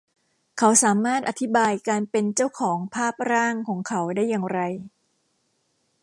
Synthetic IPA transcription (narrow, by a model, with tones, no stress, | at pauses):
kʰa˩˦˥wsaː˩˦maː˥˩t̪̚ʔa˨˧t̪ʰi˦˥baː˧jkaː˧npe˧nt͡ɕa˥˩wkʰɔː˩˦ŋpʰaː˥˩p̚ɾaː˥˩ŋkʰɔː˩˦ŋkʰa˩˦˥wdaː˥˩jːaː˧ŋɾa˧j